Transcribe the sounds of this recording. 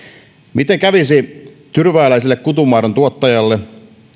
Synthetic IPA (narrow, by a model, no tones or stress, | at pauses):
mit̪eŋkæʋisi | t̪yrʋæːlæisilːekkut̪umɑːrent̪uot̪ːɑjɑlːe